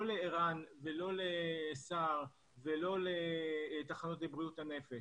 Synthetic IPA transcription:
oleiʁanvelo̞lesaʁ | velo̞let̪aχanot̪lebʁijutane̞fe

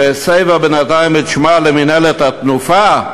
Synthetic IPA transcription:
esejvabenat̪ajmet̪ʃmaleminelet̪hat̪nufa

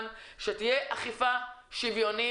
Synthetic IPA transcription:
nʃet̪ijeʔaχifaʃivjo̞ni

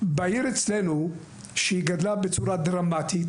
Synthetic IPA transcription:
bajiɾet͡slenu | ʃeiɡad̪labet͡suɾad̪ɾamːat̪it̪

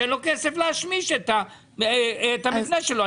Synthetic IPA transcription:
enlokesefleaʃmiʃet̪a | t̪amitnaʃeloa

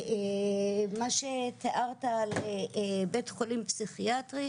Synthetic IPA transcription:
e | maʃet̪eʔaʁt̪alebetχolimpsiχiat̪ʁi

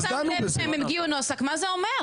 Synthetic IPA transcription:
zaememɡiunosakmazeomeʁ

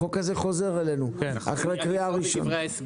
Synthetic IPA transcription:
okazeχozeʁelenua̰χʁejkʁiaʁiʃo̰n

